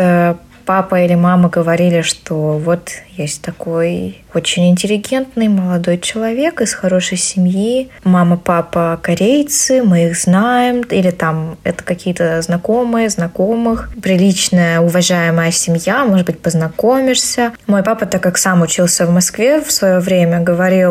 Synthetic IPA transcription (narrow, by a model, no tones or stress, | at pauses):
ə | papəilʲɪmaməɡəvɐɾʲilʲɪʂt̪o̞vo̞t̪jesʲtʲt̪ɐko̞j | o̞t͡ɕɪnʲɪnʲtʲɪlʲɪɡʲe̞nt̪nɨjməlˠɐd̪o̞jt͡ɕɪlˠɐvʲe̞kɨsxɐɾo̞ʂəjsʲɪmʲjimaməpapəkɐɾʲejt̪sɨmɨiɣznajɪmilʲɪt̪amɛ̰t̪ə̥kɐkʲijət̪əznɐko̞mɨjəznɐko̞mɨxpɾʲɪlʲit͡ɕnəjəʊvɐʐajɪməjəsʲɪmʲjamoʐɨd̪̚bɨt̚ʲpəznɐko̞mʲɪʂsʲəmo̞jpapət̪akːaksamʊt͡ɕilˠsʲəvmɐskvʲefsvɐjovɾʲemʲəɡəvɐɾʲilˠ